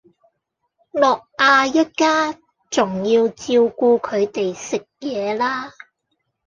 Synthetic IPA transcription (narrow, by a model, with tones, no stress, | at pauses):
lɔː˨k̚ʔaː˧jɐ˥t̚kaː˥ | t͡sʊ˨˩ŋjiː˧wt͡siː˧wkuː˧kʰɵ˨˧ɥt̪e˨jsɪ˨k̚jɛː˨˧laː˥